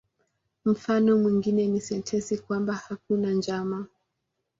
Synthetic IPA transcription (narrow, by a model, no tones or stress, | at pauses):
m̩fanɔmwiŋɡinɛnisɛntʰɛsikwambahak̚unand͡ʒama